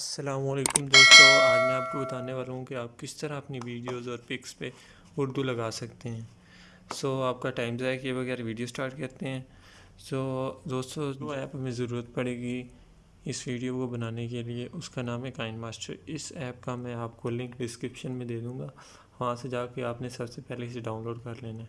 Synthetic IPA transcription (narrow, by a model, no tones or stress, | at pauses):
ɐsːɐlaːmɔleːkʊmd̪oːst̪oɛ̃mɛ̃aːp̚kobɐt̪aːneʋaːlõɦũkeaːp̚kɪst̪ɐɾaɐpniʋiːɖijoːzɔːɾpɪkspe | ʊɾd̪ulɐɡaːsɐkt̪eɦɛ̃ː | soːaːp̚kaʈaːɪmzɛkeʋɐɣɛːɾʋiːɖijoːsʈaːɾʈkɐɾt̪eɦɛ̃ː | soːd̪oːst̪od͡ʒoɛːpɦɐmẽzɐɾuːɾət̪pɐɽeːɡi | ɪsʋiːɖijokobɐnaːnek̬elieʔʊskanaːmekaːɪnmaːsʈə̰ɾɪsɛːp̚kamɛ̃aːp̚kolɪ̃ŋkɖɪskɾɪpʃənmẽd̪eːd̪ũːŋɡaː | ʋɐɦãsed͡ʒaːkeaːpnẽsɐbsepɛɦleɪseɖaːʊnloːɖkɐɾleːnaː